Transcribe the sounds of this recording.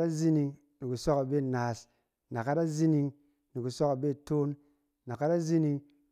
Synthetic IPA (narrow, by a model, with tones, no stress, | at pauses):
ɾa˦zi˦ni˧ŋ | ni˨ku˨so˦ka˨be˦˨na˨s | na˨ka˦da˦zi˦ni˧ŋ | ni˨ku˨so˦ka˨be˦˨to˦nː | a˨ka˦da˦zi˦ni˦˧ŋ